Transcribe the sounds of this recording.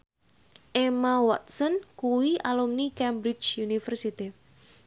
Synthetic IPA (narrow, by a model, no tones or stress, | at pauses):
ʔemawɔt̪̚sənkuwiʔalumnikɛmbɾɪt͡ʃjunifərsit̪i